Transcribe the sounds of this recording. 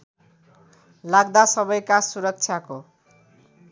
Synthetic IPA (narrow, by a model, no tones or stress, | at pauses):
laɡd̪asʌbʌjkasuɾʌk̚t͡sʰjako